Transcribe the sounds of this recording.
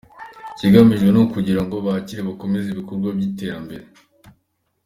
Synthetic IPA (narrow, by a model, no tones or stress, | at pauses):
ciɡamiʒɡwenukuɟiɾaŋɡo̞βaciɾeβako̞meziβikoɾɡwabjite̞ːɾambe̞ɾe